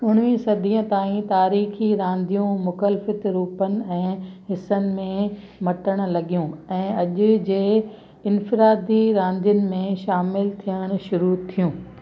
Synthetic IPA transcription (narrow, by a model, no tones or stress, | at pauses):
ʊn̤ʋĩsɐd̪ʱiə̃t̪aːĩt̪aːɾiːxiɾãːnd̪ijũmʊkəlfət̪ɾuːpənɪ̆ɛ̃ːɦɪsənɪ̆mẽ | mɐʈəɽ̃̆lɐɠijũɛ̃ːɐʄʊ̆d͡ʑeː | ɪnfɪɾaːd̪iɾãːnd̪ijʊnɪ̆mẽʃaːmɪlt̪ʰijəɽ̃ʃʊɾut̪ʰijũː